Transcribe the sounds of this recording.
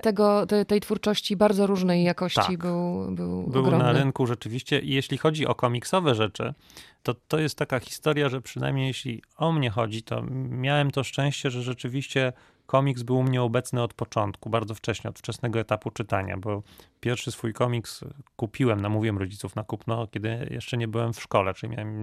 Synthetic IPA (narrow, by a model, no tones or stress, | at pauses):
t̪ɛɡɔt̪ɛt̪ɛjt̪fuɾt͡ʂɔɕt͡ɕibaɾd̪zɔɾuʐnɛjːakɔɕt̪at͡ɕibɘwbɘwbɘwɾɔnaɾɘnkuʐɛt͡ʂɘvʲiɕt͡ɕɛʔijeɕlʲixɔd͡ʑiʔɔ̰kɔmʲiksɔvɛʐɛt͡ʂɘ̰ | t̪ɔt̪ɔjɛst̪ːakaxʲi̥st̪ɔɾʲjaʐɛpʂɘna̰jmɲejeɕlʲḭɔmɲɛxɔd͡ʑit̪ʰɔ̰mʲjawɛmt̪ɔʂt͡ʂɛ̃w̃ɕt͡ɕɛʐɛʐɛt͡ʂɘvʲiɕt͡ɕɛ | kʰɔmʲiksbɘwmɲɛɔbɛt̪snɘɔt̪pɔt͡ʂɔnt̪kubaɾd̪zɔft͡ʂɛɕɲɛɔ̰t̪ft͡ʂɛsnɛɡɔɛt̪aput͡ʂɘt̪aɲa̰bɔpʲjɛɾfʂɘsfujkɔmʲikskupʲʰiwɛmnamuvʲiwɛmɾɔd͡ʑit̪sufnakupnɔkʲɛd̪ɘjɛ̰ʂt͡ʂɛɲɛbɘwɛmfʂkɔlɛt͡ʂɨimʲa̰wɛm